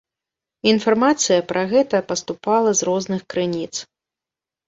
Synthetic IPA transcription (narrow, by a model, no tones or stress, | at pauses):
infarmat̪sɨjɐpɾʔɐɣɛt̪ɐpɐst̪upalˠɐzrɔznɨxkɾɨnʲit̪s